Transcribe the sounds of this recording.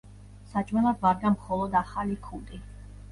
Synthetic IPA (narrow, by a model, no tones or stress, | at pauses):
sat͡ʃʼmɛlˠad̪vaɾɡ̪amχɔlˠɔd̪aχalikʰund̪ʼi